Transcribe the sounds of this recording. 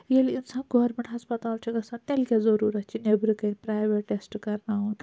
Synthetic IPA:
jelinsãnɡoɾmeɳʈɐspɐt̪aːlt͡ʃeɡɐsãnt̪elkʲazəɾuɾɐt̪̚t͡ʃinebɾɨkenʲpɾajʋeʈʈːesʈkɐɾnaɦun

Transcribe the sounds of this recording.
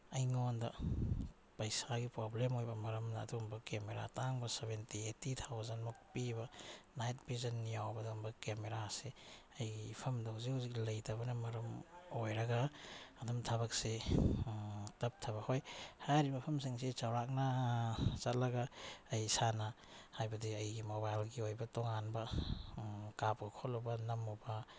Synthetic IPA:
ɐjŋondɐ | pɐjsaɡipɾoblemojbɐmɐɾɐmda̰ːdumbɐkemeɾa̰taŋbɐseβentietit̪ʰawzɐnmuk̚pibɐnajt̚bizɐnːijawbɐdumbɐkemeɾaseɐjɡipʰɐmdɐwziuziklɐjtaβɐnɐmɐɾɐmojɾɐɡɐːdumtʰabɐk̚se | tɐp̚tʰɐbɐhojhajɾibɐpʰɐmsiŋsit͡ʃawɾak̚na | t͡ʃɐt̚lɐɡaːjsana | hajbɐdiɐjɡimobajlɡiojbɐtɔŋanbɐ | kap̚ɡɐkʰɔlɔbɐnɐmɔbɐ

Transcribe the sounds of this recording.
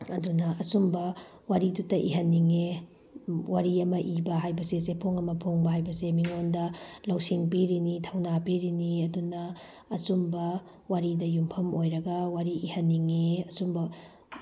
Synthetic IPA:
ɐdunɐʔɐsumbɐ | waɾidutːɐʔḭɦɐnːiŋe | waɾiɐmɐʔibɐɦajbɐsesepʰoŋɐmɐpʰoŋbɐɦajbɐsemiŋondɐlawsiŋbiɾinitʰɐwnabiɾiniɐdunɐː | sumbɐ | waɾidɐjumpʰɐmojɾɐɡɐwaɾiʔihɐnːiŋeɐsumbɐ

